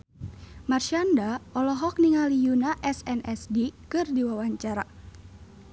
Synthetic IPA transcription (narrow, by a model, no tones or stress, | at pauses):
marʃiandaɔlɔɦɔk̚niŋalijunaʔɛsɛnʔɛsdikɨrdiwawaɲt͡ʃaɾa